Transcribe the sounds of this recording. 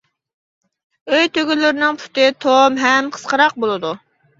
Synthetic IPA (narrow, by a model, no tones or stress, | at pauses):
øjt̪ʰøɡʲylɪɾɪnɪŋpʰu̥t̪ɪt̪ʰomɦɛmqʰə̥sqəɾɑq̚bolˠɨd̪u